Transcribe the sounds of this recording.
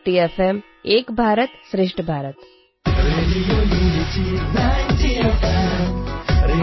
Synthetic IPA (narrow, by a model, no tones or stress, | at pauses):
ʈiefʰem | eːkbʱaːɾət̪sɾɪʃʈʰbʱaːɾət̪ | ɾeɖijolit͡ʃid̪anʈiefe | ɾe